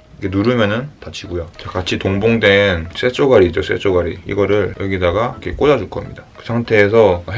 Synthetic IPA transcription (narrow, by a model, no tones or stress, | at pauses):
iɡe̞nuɾɯmjʌnɯntat͡ɕʰiɡojot͡ɕakat͡ɕʰitoŋboŋdwe̞ns͈ʰet͡ɕ͈oɡaɾid͡ʑos͈ʰḛt͡ɕ͈oɡaɾḭḭɡʌɾɯɭjʌɡidaɡakʰek͈od͡ʑad͡ʑuɭk͈ʌmɲidakɯsʰaŋtʰe̞ːs̬ʰʌ